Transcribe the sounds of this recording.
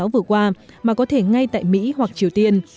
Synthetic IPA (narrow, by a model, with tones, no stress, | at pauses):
a˨˦wvɨ˨˩əkwaː˧ | maː˨˩kɔ˨˦t̪ʰe˧˩ŋa˧jt̪a̰ː˧˨jmḭ˧˥hwa˨˩k̚t͡ɕi˨˩əwt̪i˧ən